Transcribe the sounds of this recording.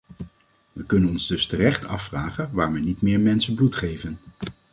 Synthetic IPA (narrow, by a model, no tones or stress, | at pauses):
ʋəkɵnənɔnzdɵstərɛχtʰɑ̰fːraːχənʋaːɹʋɛnitmɪːɹmɛnsənblutχejvən